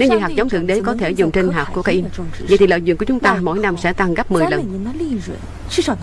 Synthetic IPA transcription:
ne˨˦wɲɨ̰˧˥ŋɦaː˨˩k̚zə˨˦wt̪ɨ̰˨˧˨əŋɗe˨˦kɔ˨˦t̪ʰe˧˩zʊ˨˩ŋ͡mt͡ɕe˧nɦaː˨˩kːu˧˩əka˧ʔi˧və̰˧˨t̪i˨˩lə̰ː˧˨jz̰ŋkət͡ɕʊ˨˦ŋ͡mt̪aː˧mo̰˧˥˨jna˧msɛ̰˧˥t̪a˧ŋɣə˦˥p̚mɨ˨˩əjjlə̰˨˩n̰˧˦˧

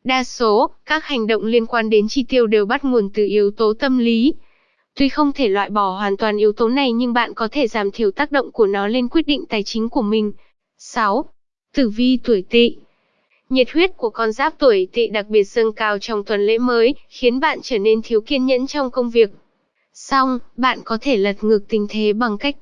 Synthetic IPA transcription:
ɗaː˧so˨˦kaː˦˥k̚ha˨˩jŋ̟ɗo̰˧˨wŋ͡mli˧ənkwaː˧nɗe˨˦nt͡ɕi˧t̪i˧əwɗe˨˩wɓa˦˥t̚ŋu˨˩ənt̪ɨ˨˩ʔi˨˦ə˦wt̪o˨˦t̪ə˧mli˨˦ | t̪wi˧xə˧wŋ͡mt̪ʰe˧˩lwa̰ː˧˨jɓɔ˧˩hwaː˨˩nt̪waː˨˩nʔi˨˦əwt̪o˨˦na˨˩jɲɨ˧ŋɓa̰ː˧˨nkɔ˨˦t̪ʰe˧˩zaː˨˩mt̪ʰi˧˩əwt̪aː˦˥k̚ɗo̰˧˨wŋ͡mku˧˩ənɔ˨˦le˧nkwi˦˥ət̚ɗḭ̈˧˨ŋ̟t̪aː˨˩jt͡ɕï˨˦ŋ̟ku˧˩əmï˨˩ŋ̟ | sa˨˦w | t̪ɨ˧˩vi˧t̪u˧˩əjt̪ḭ˧˨ | ɲe˨˩t̚hwi˦˥ət̚ku˧˩əkɔ˧nzaː˦˥p̚t̪u˧˩əjt̪ḭ˧˨ɗa˨˩k̚ɓi˨˩ət̚zə˧nkaː˧wt͡ɕɔ˧wŋ͡mt̪ʰwə˨˩nlḛ˧˥məː˨˦jxi˨˦ənɓa̰ː˧˨nt͡ɕəː˧˩ne˧nt̪ʰi˨˦əwki˧ənɲə̰˧˥nt͡ɕɔ˧wŋ͡mkə˧wŋ͡mvi˨˩ək̚ | sa˧wŋ͡mɓa̰ː˧˨nkɔ˨˦t̪ʰe˧˩lə˨˩t̚ŋɨ˨˩k̚t̪ï˨˩ŋ̟t̪ʰe˨˦ɓa˨˩ŋka˦˥jk̟̚

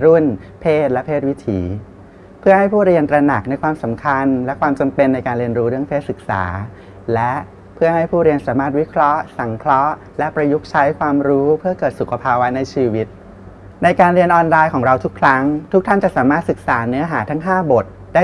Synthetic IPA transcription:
ɾu˥˩npʰeː˥˩t̪̚lɛ˦˥pʰeː˥˩t̪̚wi˦˥t̪ʰiː˩˦ | pʰɯ˥˩ɐha˥˩jpʰuː˥˩ɾi˧ənt̪ɾa˧na˨˩k̚na˧jkʰwaː˧msa˩˦mkʰa˧nlɛ˦˥kʰwaː˧mt͡ɕa˧mpe˧nːa˧jkaː˧nɾi˧nɾuː˦˥ɾɯ˥˩əŋpʰeː˥˩t̪sɯ˨˩k̚sa̰ː˩˦ | lɛ˦˥ʔ | pʰɯ˥˩ɐɦa˥˩jpʰuː˥˩ɾi˧ənsaː˩˦maː˥˩t̪̚wi˦˥kʰɾɔ˦˥ʔsa˩˦ŋkʰɾɔ˦˥ʔ | lɛ˦˥pɾa˧ju˦˥k̚t͡ɕʰa˦˥jkʰwaː˧mɾuː˦˥pʰɯ˥˩ɐkɤː˨˩t̪̚su˨˩kʰːa˧pʰaː˧wa˦˥na˧jt͡ɕʰiː˧wi˦˥t̪̚ | na˧jkaː˧nɾi˧ənʔɔː˧nlaː˧jkʰɔː˩˦ŋɾa˧wt̪ʰu˦˥kʰɾa˦˥ŋt̪ʰu˦˥k̚t̪ʰa˥˩nt͡ɕa˨˩saː˩˦maː˥˩t̪sɯ˨˩k̚saː˩˦nɯ˦˥ɐɦaː˩˦t̪ʰa˦˥ŋɦaː˥˩bo˨˩t̪̚daː˥˩

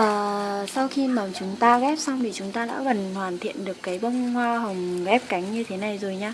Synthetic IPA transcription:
ʔəː˨˩sa˧wxi˧maː˨˩t͡ɕʊ˨˦ŋ͡mt̪aː˧ɣɛ˦˥p̚sa˧wŋ͡mt̪ʰi˨˩t͡ɕʊ˨˦ŋ͡mt̪aː˧ɗa̰ː˧˥ɣə˨˩nhwaː˨˩nt̪ʰḭ˧˨ənɗɨ˨˩əkːaː˨˦jɓə˧wŋ͡mhwaː˧ɦə˨˩wŋ͡mɣɛ˦˥p̚ka˨˦jŋ̟ɲɨ˧t̪ʰe˨˦na˨˩jzo˨˩jɲaː˧

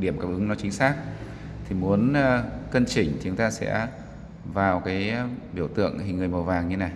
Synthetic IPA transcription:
ɗi˧˩əmkaː˧p̚ʔɨ˨˦ŋnɔ˨˦t͡ɕï˨˦ŋ̟saː˦˥k̚ | t̪ʰi˨˩mu˨˦ən˧kə˧nt͡ɕï˧˩ŋ̟t̪ʰi˨˩u˨˦ŋ͡mt̪aː˧sɛ̰˧˥ | vaː˨˩wkaː˨˦jɓi˧˩əwt̪ɨ̰˧˨əŋhi˨˩ŋ̟ŋɨ˨˩əjmə˨˩wvaː˨˩ŋɲɨ˧na˨˩j

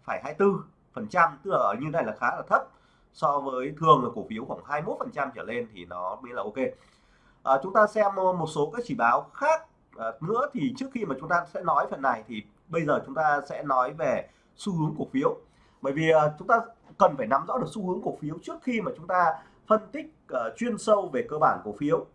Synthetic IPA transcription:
faː˧˩jɦaː˧jt̪ɨ˧ | fə˨˩nt͡ɕa˧mt̪ɨ˦˥k̚laː˨˩ʔə˧˩ɲɨ˧naː˧jlaː˨˩xaː˨˦ʔəː˧˩t̪ʰə˦˥p̚ | sɔ˧vəː˨˦jt̪ʰɨ˨˩əŋʔəː˨˩ku˧˩əfi˨˦əwxwaː˧˩ŋɦaː˧jmo˦˥t̚fə˨˩nt͡ɕa˧mt͡ɕəː˧˩le˧nt̪ʰḭ˨˩nɔ˨˦me˦˥laː˨˩ʔo˧ke˧ | ʔəː˨˩t͡ɕʊ˨˦ŋ͡mt̪aː˧sɛ˧m˧mo˨˩t̚so˨˦kaː˨˦˥k̚t͡ɕi˧˩ɓaː˨˦wxaː˦˥k̚ | ʔnɨ̰˧˥ət̪ʰi˨˩t͡ɕɨ˦˥ək̚xi˧maː˨˩t͡ɕʊ˨˦ŋ͡mt̪aː˧sɛ̰˧˥nɔ˨˦jfə˨˩nːa˨˩jt̪ʰi˨˩ | ɓə˧jzəː˨˩t͡ɕʊ˨˦ŋ͡mt̪aː˧sɛ̰˧˥nɔ˨˦jve˨˩ | su˧hɨ˨˦əŋku˧˩əfi˨˦əw | ɓə̰ː˧˩jvi˨˩ʔəː˨˩t͡ɕʊ˨˦ŋ͡mt̪aː˧kə˨˩nfaː˧˩jna˨˦mzɔ̰˧˥ɗɨ˨˩əksu˧hɨ˨˦əŋku˨˩əkfi˨˦əwt͡ɕɨ˦˥ək̚xi˧maː˨˩t͡ɕʊ˨˦ŋ͡mt̪aː˧ | fə˧nt̪ï˦˥k̚ʔəː˨˩t͡ɕwi˧ənsə˧wve˨˩kəː˧ɓaː˧˩nku˧˩əfi˨˦əw

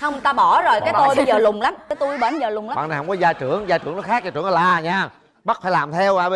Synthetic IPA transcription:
hə˧wŋ͡mt̪aː˧ɓɔ˧˩zo˨˩jkaː˨˦t̪o˧jɓə˧jzəː˧˨˩lʊ˨˩ŋ͡mla˨˦mkaː˨˦jt̪u˧jɓəː˧˩nzəː˨˩lʊ˨˩ŋ͡ma˨˦ɓ̰a̰˧˨n˨˩hə˧wŋ͡mkɔ˨˦zaː˧jt͡ɕɨ˧˩əŋzaː˧jt͡ɕɨ̰˧˩ənɔ˨˦xaː˦˥k̚zaː˧˩t͡ɕɨ̰˧˦ə˦nɔ˧laː˨˩ɲaː˧ | ɓt̚faː˧˦jlaː˨˩mt̪ʰɛ˧wʔaː˧˩ɓ

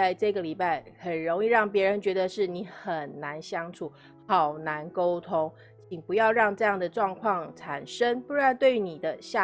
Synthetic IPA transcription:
a˥˧ɪʈ͡ʂɤ˥˧ɡə˩li˨˩pa˥˩ɪxə˨˩nɻo˧˥ŋi˥˧ɻɑ˥˩ŋpjɛ˧˥ɻə˧˦nt͡ɕɥɛ˧˥d̪ə˧ʂɻ̩˥˩ni˧˥xə˨˩nːa˧˦˥nɕjɑ˥ŋʈ͡ʂʰu˨˩˦ | xɑ˨˩ʊna˧˥nko˥ʊt̪ʰo˥ŋ | t͡ɕʰi˨˩ŋpu˧˥jɑ˥˧ʊɻɑ˥˧ŋʈ͡ʂɤ˥˧jɑ˥˩ŋd̪ə˩ʈ͡ʂwɑ˥˧ŋkʰwɑ˥˩ŋʈ͡ʂʰa˨˩nʂə˦˥ŋpu˥˧ɻa˥˧nt̪we˥˩ɪni˨˩d̪ə˦ɕja˥˩

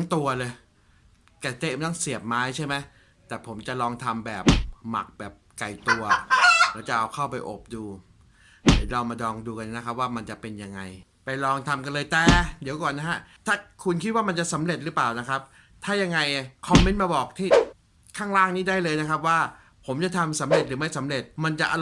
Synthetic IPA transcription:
ŋt̪u˧ɐlɤː˧j | ka˨˩t̪e˦˥ma˧t̪ɔ˥˩ŋsi˨˩əp̚maː˦˥jt͡ɕʰa˥˩jma˦˥j | t̪ɛː˨˩pʰo˩˦mt͡ɕa˨˩lɔː˧ŋt̪ʰa˧mbɛ̰ː˨˩p̚ma̰˨˩k̚bɛː˨˩p̚ka˨˩jt̪u˧ɐlɛː˦˥wt͡ɕa˨˩ʔa˧wkʰa˥˩wpa˧jʔo̰˨˩p̚duː˧˨˩ | ɾa˧wmaː˧dɔː˧ŋduː˧ka˧nːa˦˥kʰa˦˥p̚waː˥˩ma˧nt͡ɕa˨˩pe˧nja˧ŋːa˧j | pa˧jlɔː˧ŋt̪ʰa˧mka˧nlɤː˧jt̪ɛː˨˩di˩˦wkɔː˨˩nːa˦˥ka˦˥ʔt̪ʰaː˥˩kʰu˧nkʰi˦˥waː˥˩ma˧nt͡ɕa˨˩sa˩˦mɾe˨˩t̪̚ɾɯː˦˥plaː˨˩wna˦˥kʰɾa˦˥p̚ | t̪ʰaː˥˩ja˧ŋːa˧jkʰɔ˧˥mːe˦˥nmaː˧bɔː˨˩k̚t̪ʰiː˥˩ | kʰaː˥˩ŋlaː˥˩ŋniː˦˥˩daː˥˩jlɤː˧jna˦˥kʰa˦˥p̬̚waː˥˩ | pʰo˩˦mt͡ɕa˨˩t̪ʰa˧msa˩˦mɾe˨˩t̪̚ɾɯː˩˦ma˥˩jsa˩˦mɾe˨˩t̪̚ma˧nt͡ɕa˨˩ʔa˧

